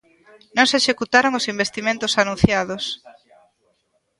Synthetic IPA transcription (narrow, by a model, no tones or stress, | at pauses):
nõŋseʃekut̪aɾoŋosimbest̪imẽnt̪osanũn̟θjað̞os